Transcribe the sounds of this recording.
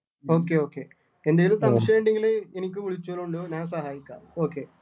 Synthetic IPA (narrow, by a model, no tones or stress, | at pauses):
o̞ːk̬ːeo̞ːkːḛ | end̪aːjilumt̪ɐmɐʂjɐʋeːɳɖeŋɡiɭeenikʲːɨʋiɭit͡ɕːuɐɭuɳɖɨɲaːns̬ɐɦaːjikʲːa̰ːðɨo̞ːkːe